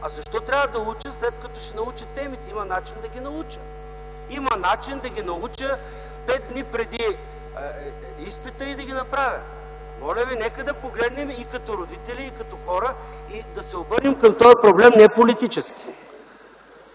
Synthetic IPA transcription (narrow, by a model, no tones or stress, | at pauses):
ɐzɐʃt̪ɔt̪ɾʲjavəd̪ɐlˠut͡ʃəslɛt̪kɐt̪ɔʃɛnɐut͡ʃət̪ːɛmit̪ɛimɐnat͡ʃind̪ɐɡʲinɐut͡ʃə | imɐnat͡ʃind̪ɐɡʲinɐut͡ʃə | pɛd̪̚d̪nipɾɛd̪i | ispɛt̪əid̪ɐɡʲinɐpɾavʲə | mɔlʲəvinɛkəd̪ɐpoɡlɛd̪nɛmikɐt̪ɔɾod̪it̪ɛliːkɐt̪ɔxɔɾəid̪ɐsɛobɤɾnimkəmt̪ɔjɐpɾoblɛmnɛpolit̪it͡ʃɛskʲi̥